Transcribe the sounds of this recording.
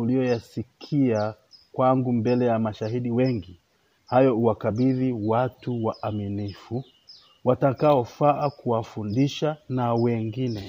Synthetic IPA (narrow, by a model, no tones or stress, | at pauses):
uliɔjasikʰia | kwaŋɡumbɛlɛjamaʃaɦiɗiwɛŋɡi | hajɔuwakaɓiðiwatuwaʔːminifu | watakaɔfaʔakuwafundiʃanawɛŋɡinɛ